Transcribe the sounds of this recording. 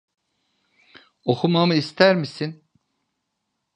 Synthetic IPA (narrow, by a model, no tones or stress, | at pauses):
o̞xʰumamɯist̪ʰæɾmisin